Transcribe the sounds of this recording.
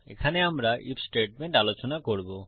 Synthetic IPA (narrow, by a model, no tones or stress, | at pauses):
ḛkʰaneamɾaʔipsʈeʈ̚meɳʈalot͡ɕonakoɾbo